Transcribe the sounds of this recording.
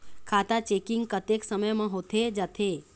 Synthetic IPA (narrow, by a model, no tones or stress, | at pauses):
kʰat̪at͡ʃekiŋɡ̚kət̪eksəməjmãɦot̪ʰed͡ʒat̪ʰe